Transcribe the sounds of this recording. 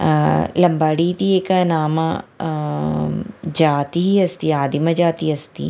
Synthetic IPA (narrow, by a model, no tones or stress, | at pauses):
lɐmbaːɽit̪ieːkanaːma | d͡ʒaːt̪iɦiɐst̪iaːd̪imɐd͡ʒaːt̪iɐst̪ḭ